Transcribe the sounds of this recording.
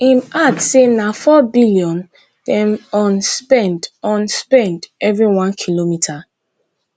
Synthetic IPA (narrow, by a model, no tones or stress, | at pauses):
ĩmatsenafɔbiliɔ̃n | d̥ɛ̃mɔ̃nspɛ̃ndɔ̃nspɛ̃ndɛvɹiwãnkʰilomitʰa